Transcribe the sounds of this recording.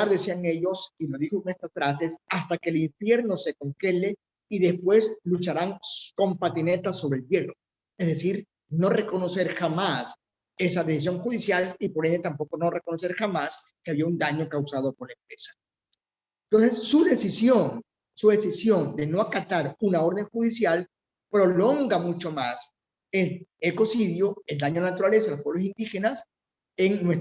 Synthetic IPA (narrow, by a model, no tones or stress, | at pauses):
aɾðe̞siaŋe̞ʎo̞silo̞zðixokone̞st̪asfɾase̞sast̪ake̞ːliɱfje̞ɾno̞se̞ko̞ŋxe̞le̞ | iðe̞spwe̞slut͡ʃaɾaŋko̞mpat̪ine̞t̪aso̞βɾelbje̞ro̞ | ezðe̞siɾ | no̞re̞ko̞no̞se̞ɾxamas | e̞saðe̞sis̬jo̞ŋxuðisjalipo̞ɾe̞nd̪et̪ampo̞ko̞no̞re̞ko̞no̞se̞ɾxamaskeaβiaund̪aɲo̞kawsað̞o̞koɾlaempɾe̞sḁ | ent̪ons̬e̞sːuðe̞sisjon | suðe̞sisjo̞nd̪e̞no̞akat̪aɾunaoɾðe̞ŋxuðisjal | pɾo̞lo̞ŋɡamut͡ʃo̞mas | e̞leko̞siðjoe̞ld̪aɲolanat̪uɾale̞s̬aðlospweβlo̞s̬ind̪ixe̞nas | eŋnwes